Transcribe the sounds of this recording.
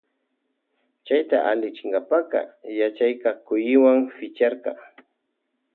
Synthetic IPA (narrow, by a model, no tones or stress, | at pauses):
t͡ʃajt̪a̰ʔalɪt͡ʃɪŋɡapaqɑ̰jat͡ʃajkakʊjɪwaŋfɪt͡ʃaɾqɑ̰